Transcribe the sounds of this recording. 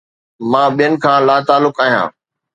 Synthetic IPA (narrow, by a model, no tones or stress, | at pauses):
mãːɓijənɪ̆kʰãːlaːt̪aːlʊkaːɦijã̰ː